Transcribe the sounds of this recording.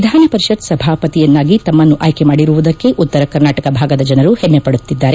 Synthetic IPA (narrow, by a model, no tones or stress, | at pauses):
id̪ʱaːnɐpɐɾiʃɐt̪sɐbʱaːpɐt̪ijɐnːaːɡit̪ɐmːɐnːuʔa̰ːjkemaːɽiɾuʋud̪ɐkːe̞ʔut̪ːɐɾɐkɐɾnaːʈɐkɐbʱaːɡɐd̪ɐd͡ʒɐnɐɾuhɛmːepɐɽut̪ːid̪ːaːɾe